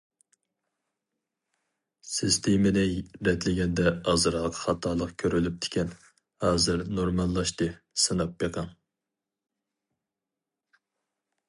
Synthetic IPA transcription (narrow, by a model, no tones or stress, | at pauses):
sist̪ʰemɪnɪɾɛt̪ʰlɪɡʲɛnd̪ɛɑzɨɾɑqʰχɑt̪ʰɑlˠəqkʲʰøɾylyp̚t̪ʰɪ̥kʲɛn | hɑːzɨɾnoɾmɑlˠːɑʃt̪ɨ | sɨnɑp̚jeqʰɑŋ